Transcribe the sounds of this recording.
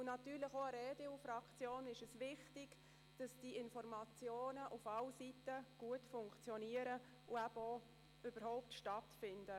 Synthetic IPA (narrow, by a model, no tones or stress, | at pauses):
ʊnɑtyːɾlɪxoəɾɛːdeufɾɑkt͡sjoːnɪʃɛsʋɪχtɪɡ̥ | d̥ɑsd̥iɪnfɔrmɑt͡sjoːnəʔufɑlsitəɡ̥uətfʊŋkt͡sjɔniːəɾə | ʊæbɔ | øb̥əɾhoʊptʃtɑtfɪnd̥ə